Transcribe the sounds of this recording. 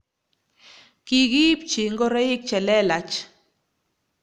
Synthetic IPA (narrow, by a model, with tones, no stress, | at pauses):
ki˦ɡi˦p̚t͡ʃi˨ŋɡo˦ɾe˦i˦k̚t͡ʃɛ˨lɛ˦la˨t͡ʃ